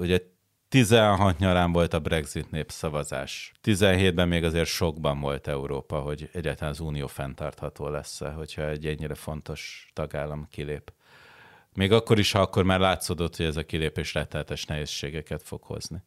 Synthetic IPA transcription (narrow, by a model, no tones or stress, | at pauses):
uɟɛ | t̪izɛnɦɒt̪ɲɒlaːɱvo̞lt̪ɒbrɛɡzit̪neːpsɒvɒza̰ːʃt̪izɛnɦeːd̪̚bɛmːeːɡɒzeːrt̪ʃo̞ɡbɒɱvo̞lt̪ɛuɾoːpɒɦo̞ɟɛɟːaːt̪ɒlanɒzuːnijoːfɛnt̪ɒrt̪hɒt̪oːlɛsːɛ̰ɦo̞cʰhɒɛɟːɛɲːiɾɛfo̞nt̪o̞ʃt̪ɒɡaːlːɒmkileːp | meːɡɒkːo̞ɾiʃhɒɒkːo̞rmaːrlaːt̪soːd̪ot̪ho̞ɟɛzɒkileːpeːʃrɛt̪ːɛlɛt̪ɛʃnɛɦeːsʃeːɡɛkɛt̪fo̞̰kho̞̰zni